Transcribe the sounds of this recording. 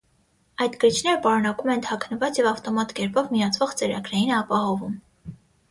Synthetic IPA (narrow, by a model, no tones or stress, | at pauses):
ɑjd̪ɡəɾit͡ʃʰnɛɾəpɑɾunɑkumɛnt̪ʰɑkʰnəvɑt͡sjɛvɑft̪ɔmɑt̪kɛɾpɔvmijɑt͡sʰvɔʁt͡sɛɾɑ̰ɡɾɑjinɛɑpɑhɔvum